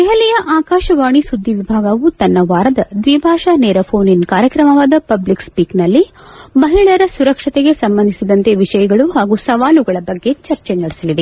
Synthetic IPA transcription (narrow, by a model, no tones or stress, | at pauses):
d̪ɛɦɐlɛjɐʔaːkaːʃɐʋaːɳ̃isud̪ʱːiʋibʱaːɡɐʋut̪ɐnːɐʋaːɾɐd̪ɐd̪ʋibʱaːʃɐneːɾɐpʰoːninkaːɾjɐkɾɐmɐʋaːd̪ɐpɐblikspiːknɐlːi | mɐɦiɭɐɾɐsuɾɐkʂɐt̪eɡe̞sɐmbɐnd̪isid̪ɐnt̪eʋiʃɐjɐɡɐɭuɦaːɡusɐʋaːluɡɐɭɐbɐɡːe̞t͡ʃɐɾt͡ʃenɐɽesɐlid̪e